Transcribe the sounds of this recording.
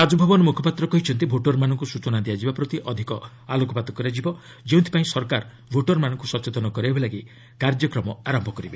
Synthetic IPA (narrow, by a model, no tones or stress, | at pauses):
ad͡ʒɔbʱɔbɔnɔmukʰɔpat̪ɾɔkɔɦit͡ʃʰɔnt̪ibʱoʈɔɾmanɔŋkusut͡ʃɔnad̪iad͡ʒibapɾɔt̪iʔɔd̪ʱikɔ | alokɔpat̪ɔkɔɾiad͡ʒibɔ | d͡ʒewnt̪ʰipaĩsɔɾkaɾ | bʱoʈɔɾmanɔ̃ŋkusɔt͡ʃet̪ɔnɔkɔɾibalaɡi | kaɾd͡ʒjɔkɾɔmɔaɾɔmbʱɔkɔɾibe